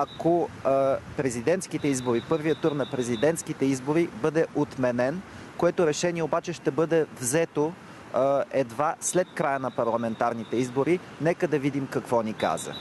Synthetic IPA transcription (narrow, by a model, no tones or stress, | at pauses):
ɐko | pɾɛzid̪ɛnt̪skit̪ɛizboɾipɤɾvijət̪uɾnɐpɾɛzid̪ɛnt̪skit̪ɛizboɾibɤd̪ɛʔot̪mɛnɛn | koɛt̪oɾɛʃɛniɛobat͡ʃɛʃt̪ɛbɤd̪ɛvzɛt̪o | ɛd̪vaslɛt̪̚kɾajənɐpɐɾlˠɐmɛnt̪aɾnit̪ɛizboɾi | nɛkəd̪ɐvid̪imkɐkvɔnika̰zə̰